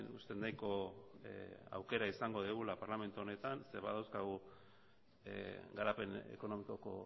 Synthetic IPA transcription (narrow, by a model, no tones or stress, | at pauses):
nust̪e̞nd̪ajko̞ | a̰wke̞ɾaisaŋɡo̞ðeɣulapaɾlame̞nt̪uone̞t̪anse̞βa̰ðawskaɣu | ɡaɾape̞ne̞̰ko̞no̞miko̞ko̞̰